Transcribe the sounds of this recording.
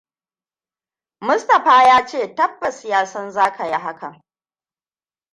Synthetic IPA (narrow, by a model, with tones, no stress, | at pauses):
mʊ˦stɐ˨ɸaː˦jaː˦t͡ʃeː˦˨tɐ˦bːɐ˨sɪ˨jaː˦sɐ˦nzaː˦kʰa˨ji˦ɦa˦kɐ̰˨ŋ